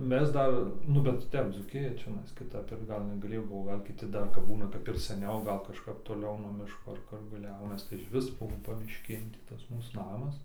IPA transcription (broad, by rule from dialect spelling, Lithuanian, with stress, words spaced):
ˈmʲɛs ˈdɐr ˈnʊ bʲɛt ˈtʲɛp ˈd͡zuːkʲɪjɛ t͡ʃʲɛˈnɐɪs kʲɪˈtɐp ɪr ˈɡɐlˠ nʲɛɡɐˈlʲeːjoː ˈbʊʋoː ˈɡɐlˠ kʲɪˈtʲɪ ˈdɐr ˈɡɐlˠ nʲɛɡɐˈlʲeːjoː ˈbʊʋoː ˈɡɐlˠ kʲɪˈtʲɪ ˈdɐr kɐbˈbuːnɐ kɐp ɪr ˈsɑːnʲɛʊ ˈɡɐlˠ kɐʃˈkɐp toːˈlʲɛʊ nuɔ ˈmʲɪʃkoː ɐr ˈkʊr ɡɐlˠ ˈjɛʊnɐs tɐɪ ɪʃʲˈʋʲɪs ˈbuɔ pɐmʲɪʃʲˈkʲeːn tʲiː ˈtɐs ˈmuːs ˈnɑːmɐs